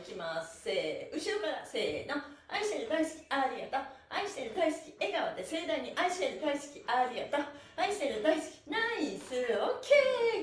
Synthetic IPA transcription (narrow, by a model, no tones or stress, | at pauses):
kʲimaseɯ̟t͡ɕiɾokaɾasenoaiɕt̪eɾɯd̪aisɨ̥kʲi̥aɾʲiat̪aaiɕi̥t̪eɾɯ̟d̪aisɨ̥kʲie̞ɡaβat̪ːese̞ːd̪ãɲ̟iʔaiɕi̥eɾɯɡ̪aisɨ̥kʲiʔaɾʲiat̪aaiɕt̪eɾɯd̪aisɨ̥kʲi̥naisɨɾɯokʰe